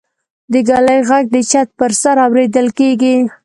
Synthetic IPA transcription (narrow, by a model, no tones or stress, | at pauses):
d̪əɡalajɣaɡ̚d̪ət͡ʃat̪̚pəɾsaɾawɾed̪əlkeɡi